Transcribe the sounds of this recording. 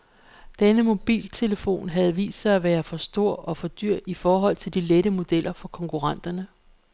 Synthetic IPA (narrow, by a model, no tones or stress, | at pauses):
d̥enəmo̝b̥ḭːlt͡sʰe̝ləfo̝̰ːnɦæð̞̩ˠʋḭːssɑ̈ɪæʋæːɐfɒ̽sd̥o̝ɐ̰ɒ̽fɒ̽d̥yɐ̰ifɒːɦɒ̽l̰t͡sʰe̝ld̥ileɾəmo̝d̥el̰ɐfɒ̽kʰɒ̽ŋkʰuʁɑ̈n̰d̥ɐnə